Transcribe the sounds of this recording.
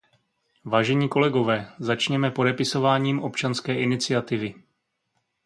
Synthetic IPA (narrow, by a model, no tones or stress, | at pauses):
vaːʒɛɲiːko̞lɛɡo̞vɛːzat͡ʃɲɛmɛpo̞dɛpɪso̞vaːɲiːmʔo̞pt͡ʃanskɛːʔɪnɪt͡sɪjat̪ɪvɪ